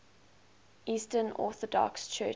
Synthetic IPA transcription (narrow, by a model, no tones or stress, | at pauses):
ʔiːstənɔ̰θɔdɔ̰kst͡ʃʰɜ